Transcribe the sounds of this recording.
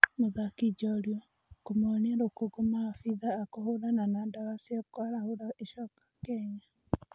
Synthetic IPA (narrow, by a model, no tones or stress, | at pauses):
moðakid͡ʒɔɾjɔ | komoneɾokoɡumafiðaːkohoɾananandawasiakwaɾahoɾaeʃɔkḁkɛɲa